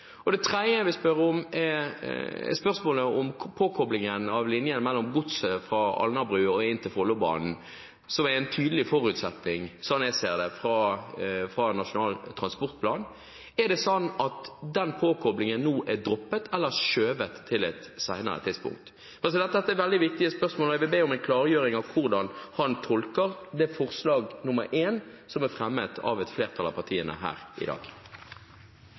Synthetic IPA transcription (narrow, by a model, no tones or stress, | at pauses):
ɔd̪ɛt̪ʰɾɛd̪jəʋɪspœɾəɔmɛ̰ | spœʁsmoːləɔmpʰoːkʰɔblɪŋənɑʋlɪnjənmɛlːɔmɡʊt̪səfɾɑɑ̰lnɑbʁʉːɔɪnt̪ʰɪlfɔlːʊbɑ̰ːnn̩ | sɔmɛɾɪnt̪ʰyːd̪əlɪfɔɾʉt̪sɛt̪ːɪŋsɔnːjæɪseːɾd̪ɛfɾɑ | fɾɑnɑʂʊnɑːlt̪ʰɾɑnspɔɾt̪̚pʰlɑːn | ɛd̪ɛsɔnːɑt̪d̪ɛnpʰoːkʰɔblɪŋənːuːʔæd̪ɾɔpːət̪ʰɛlːəɾʂøːʋət̪ʰːɪlɛt̪sæɪnə̰ɾə̰t̪ʰɪd̪spʊ̰ŋk̚t̪ | pʰɛs̬ɪd̪ɛt̪ːɛt̪ːəɛʋɛld̪ɪʋɪk̚t̪ɪəspœʁsmoːlɛʋɪbeːɔmɛɪnkʰlɑːɾəjøːɾɪŋɑʋkʰʊʁd̪ɑnhɑnt̪ʰɔlkəʁd̪ɛfɔʁslɑːɡnʊməɾʔeːn | sɔmæɾfɾɛmːət̪ʰɑ̰ʋɛt̪fleːʁt̪ʰɑlɑ̰ʋpʰɑʁt̪ʰiːənə̰ɦæ̰ːɾɪ̰d̪ɑ̰ːɡ̥